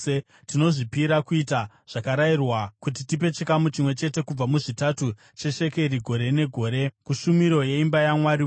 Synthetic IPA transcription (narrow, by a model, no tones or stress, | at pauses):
tino̞ʐipiɾakuita | ʐ̥akaɾairwakutitipe̞t͡ʃikamut͡ʃimwe̞t͡ʃe̞te̞kub͡vamuʐitatu | t͡ʃe̞ʃe̞ke̞ɾiɡʱo̞ɾe̞ne̞ɡʱo̞ːɾe̞kuʃumiɾo̞je̞imbajamwaɾi